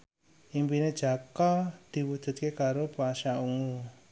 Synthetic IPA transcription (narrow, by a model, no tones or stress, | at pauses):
ʔimpined̥ʒ̥a̤kɔd̪̥i̤wud̥ʒ̥ṳt̪̚kekaɾopoaʃauŋu